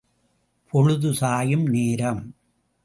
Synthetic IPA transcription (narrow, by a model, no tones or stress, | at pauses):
pʰɔɻɯðɯsaːjɯmneːɾɐm